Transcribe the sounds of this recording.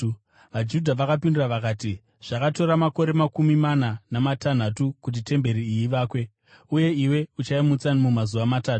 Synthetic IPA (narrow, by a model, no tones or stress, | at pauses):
ʋad͡ʒudʱaʋakapinduraʋakaːti | ʐ̥akato̞ɾamako̞ɾe̞makumimananamatan̤atukut̬ite̞mbe̞ɾiiiʋaːkwe̞ | uje̞iwe̞ut͡ʃaimut͡sanimumazuʋamataːtu̥